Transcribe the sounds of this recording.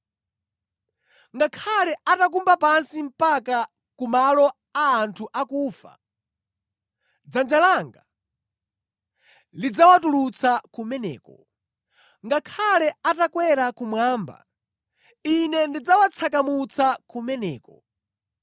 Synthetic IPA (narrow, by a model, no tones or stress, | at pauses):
ŋɡakʰalɛʔatak̬umbapansim̩paka | kumalɔ | aːntʰuʔakuːfa̰ | d͡zand͡ʒalaːŋɡa | lid͡zawatulut͡sʰakumɛnɛ̰ːkɔ̰ | ŋɡakʰalɛatakwɛɾakumwaːmba̰ | inɛndid͡zawat͡sʰak̬amut͡sakumɛnɛ̰ːkɔ